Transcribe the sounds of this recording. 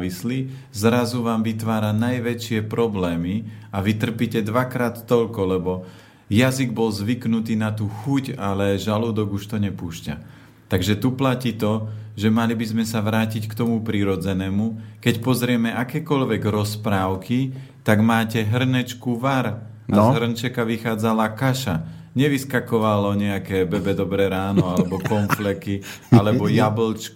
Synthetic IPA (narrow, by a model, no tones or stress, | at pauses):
ʋisli | zɾazuʋaːmʋit̪ʋaːɾanajʋɛt͡ʃɪɛpɾɔblɛːmiaʋit̪r̩piːcɛd̪ʋakɾaːt̪ːɔʎkɔlɛbɔ | jaziɡbɔlzʋiknut̪iːnat̪uːxucalɛʒaluːd̪ɔɡuʃt̪ɔɲɛpuːʃca̰ | t̪aɡʒɛt̪uplaciːt̪ɔʒɛmalibizmɛsaʋɾaːcickt̪ɔmupɾiɾɔd͡zɛnɛːmukɛcpɔzɾɪɛmɛʔakɛːkɔʎʋɛɡɾɔspɾaːʊki | t̪aɡmaːcɛɦr̩nɛt͡ʃkuʋaɾ | azɦr̩nt͡ʃɛkaʋixaːd͡zalakaʃa | ɲɛʋiskakɔʋalɔɲɛakɛbɛbɛd̪ɔbɾɛːɾaːnɔalɛbɔkɔnflɛki | alɛbɔjablt͡ʃk